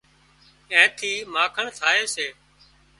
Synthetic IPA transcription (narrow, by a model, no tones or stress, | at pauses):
ɛ̃ːt̪ʰiːmaːkʰəɳt̪ʰaːeːseː